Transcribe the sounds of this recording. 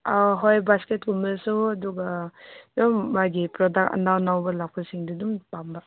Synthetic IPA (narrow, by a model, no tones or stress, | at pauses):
aɦojbasket̚ɡumisuɐduɡadɔmːajɡipɾɔdak̚tɐ̰nawnawbɐlap̚pʰasiŋdudumpamba